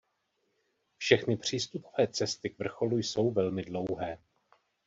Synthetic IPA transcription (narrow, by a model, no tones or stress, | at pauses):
fʃɛxnɪpr̝̥iːst̪upo̞̥vɛːt͡sɛst̪ɪkvr̩xo̞lujso̞wvɛlmɪdlo̞wɦɛː